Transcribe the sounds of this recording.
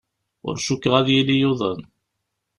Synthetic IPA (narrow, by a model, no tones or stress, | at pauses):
ʊ̰ɾʃukːʁæðjilijʊðˤən